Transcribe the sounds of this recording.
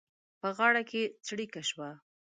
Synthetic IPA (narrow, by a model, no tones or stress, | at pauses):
pəɣɑɽakʰet͡sɽikaʃwa